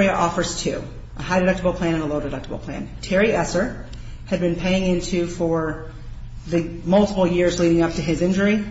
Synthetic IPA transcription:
iɨʔɔfə˞z̥tʰʉ̰ | ʔəɦaɪɾɨɾʌk̚təbl̩ˠpʰl̥æ̃ɾ̃ɨ̃nəloʊɾɨdʌk̚təbl̩ˠpʰl̥æ̰̃ntʰɛɹiɛsə˞ | ɨd̚bɨ̃npʰeɪɪ̃ŋɪ̃ntʰʉfə˞ | ðɨmʌlˠtəpl̩ˠjɪɹzliɾɪ̃ŋʌp̚tɨɪzɪ̃nd͡ʒə˞i

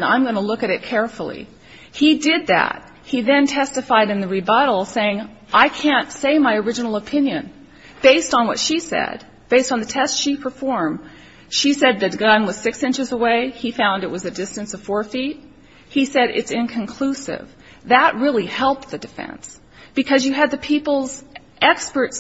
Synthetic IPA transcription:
nã̰ɪ̃mɡʌnəlʊkɨɾɨt̚kʰɛɹfl̩ˠḭ | idɪd̪̚ðæ̰t̚ | hiðɨ̃ntʰɛstɨfaɪɾɨ̃nðɨɹibʌɾl̩ˠseɪɪ̃ŋ | ʔaɪkʰæ̃ntseɪmaɪə˞ɪd͡ʒɨnl̩ˠəpʰɪ̃njɨ̃n | b̥eɪstn̩wʌ̰tʃisɛ̰d̥̚ | b̥eɪstn̩ðɨtʰɛstʃipʰə˞fɔɹm | ʃisɛd̪̚ðɨt̚ɡ̥ʌ̃nwʌz̥sɪksɪ̃nt͡ʃɨzəweɪifãʊ̃ndɨʔ̚wʌzɨdɪstɨ̃nsʌv̥fɔɹfit̚ | hisɛɾɪ̰tsɪ̃nkʰɨ̃nkʰl̥usɪ̰v | ðəʔ̚ɹɪlˠihɛlˠp̚t̪̚ðɨdɨfɛ̰̃ns | b̥ɨkʰʌzjɨɨd̪̚ðɨpʰipl̩ˠz | ʔɛkspə˞ts

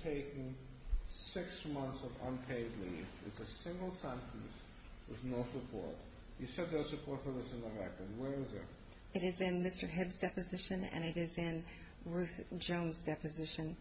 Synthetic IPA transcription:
tʰeɪkn̩ | sɪksmʌ̃nθsʌvə̰̃npʰeɪdˡlivɨ̰tsɨsɪ̃ŋɡl̩ˠsɛ̃ntʰɨ̃n̩s | wɨ̰ðnoʊsɨpʰɔ̰ɹt | jɨsɛd̪̚ðə˞sɨpʰɔɹtfəðɪsɨ̃nəɹɛ̰k̚tɨ̃nwə˞ɪzɪ̰t̚ | ɨɾɨzɪ̃nmɪstə˞ɦɪbzdɛpɨzɪʃɨ̃nɨ̰̃ñɨɾɪzɪ̃n | ɹʉθd̥ʒ̥õʊ̃nzdɛpɨzɪʃɨ̃n

